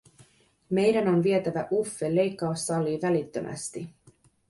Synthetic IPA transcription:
me̞jdæno̞nʋie̞t̪æʋæʔufːe̞lːe̞jkːɑusːɑlːiːʋælit̪ːømʔæ̰st̪i

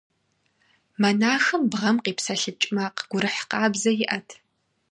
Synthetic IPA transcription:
mɐnaːxɨmbʁɐmqiːpsɐɬɨt͡ʃʼmaqɡ̥ʷʊɾɨħqɑːbzɐjɪʔɐtʰ

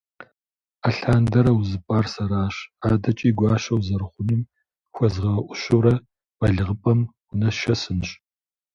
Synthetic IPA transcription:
aɬaːndɐɾɐwzɨpʼaːrsɐɾaːɕaːdɐt͡ʃʼiːɡʷɑːʃɐwzɐɾɨχʷʊnim | xʷɐzʁɐwɐʔʷʊʃowɾɐ | waɮɨʁəpʼɐm | ʊnɐʃɐsɨnɕʼ

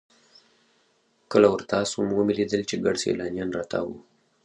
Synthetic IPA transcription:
kəlawəɾt̪ɑsomwəmilid̪əlt͡ʃeɡaɖsḛlɑnjɑnɾɑt̪a̰wu

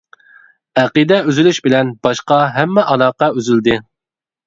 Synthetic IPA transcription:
æqid̪ɛøzylyʃbɪlɛnb̥ɑʃqɑɦɛmːɛʔɑlɑqɑøzyld̪ɪ

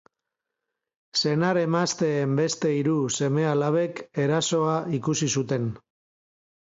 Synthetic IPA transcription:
se̞naɾe̞mast̪e̞ːmbe̞st̪e̞iɾuse̞me̞alaβe̞ke̞ɾaso̞aikusisut̪e̞n

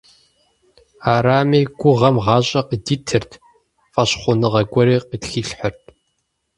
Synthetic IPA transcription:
aːɾaːmiːɡʷʊʁɐmʁɑːɕʼɐqədiːtʰɨrtʰ | fʼɐɕχʷʊnɨʁɐɡʷʼɔɾiːqʼətxiːɬħərtʰʼ

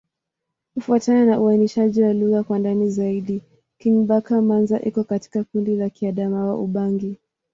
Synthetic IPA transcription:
kufuatananaʔuainiʃaʄiwaluɣakwandanizaiɗi | kiɲɓakamanzaʔikɔkati̥kakundilakiaɗamawa̰ʔuɓaŋɡi

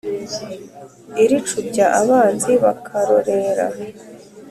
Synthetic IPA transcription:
iɾit͡ʃuɟaʔaβaːnziβakʰaɾoɾeɾa̰

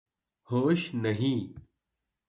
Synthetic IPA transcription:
hoːʃnəɦĩː

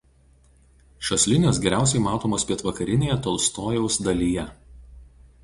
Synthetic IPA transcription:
ʃɐsʲlʲɪnʲoːsɡʲɛɾʲæˑʊsʲɛɪmɑːt̪oːmoːspʲiɛt̪ʋɐkɐɾʲɪnʲeːjɛt̪oːlˠst̪oːjɛʊsd̪ɐlʲiːjɛ

